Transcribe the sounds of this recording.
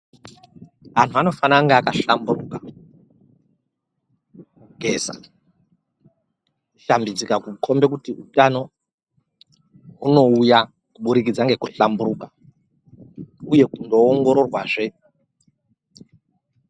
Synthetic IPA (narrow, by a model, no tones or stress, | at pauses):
an̤tuano̞fanaŋɡeakaɬamburuka | muɡʱe̞ːza̰ | ʃambid͡zikakukʰo̞mbe̞kutiutano̞ | uno̞uja | kuɓuɾik̬id͡zaŋɡe̞kuɬamburukḁ | uje̞kundo̞ːŋɡo̞ɾo̞rwaːʐe